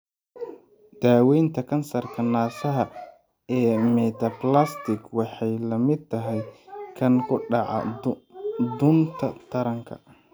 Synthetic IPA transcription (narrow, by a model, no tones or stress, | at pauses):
d̪̥aːwɛjnt̪ʰɐkʰɐnsɐrkʰɐnaːsɐɦɐ | ɛːmɛt̪ʰɐplast̪ɪkwɑħɑjlɐmɪd̪̚t̪ʰːɐɦɛjkʰɐŋkʰʊɖɑʕɑ̰ | d̪ʊnt̪ʰɐt̪ʰɐɾɐŋkʰɐ̥̰